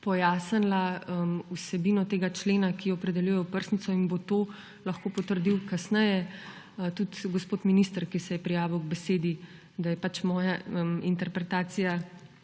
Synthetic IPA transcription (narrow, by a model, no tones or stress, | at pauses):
pɔjaːsənlaəmusɛbiːnɔt̪eːɡat͡ʃleːnakijɔːpɾɛd̪ɛljujɛjɔwpəɾsnit̪sɔinbot̪oː | lɐxkoːpɔt̪əɾd̪iwkasnɛjɛ | t̪ut̪ɡospoːt̪minist̪əɾkisɛjɛpɾijaːʋiwɡbɛseːd̪i | d̪ajɛpat͡ʃmɔːjaəmint̪ɛɾpɾɛt̪aːsija